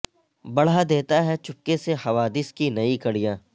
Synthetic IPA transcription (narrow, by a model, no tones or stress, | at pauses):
bɐɽ̤ad̪eːt̪aɦɛt͡ʃʊpːesehɐʋaːd̪ɪskinɐikɐɽijãː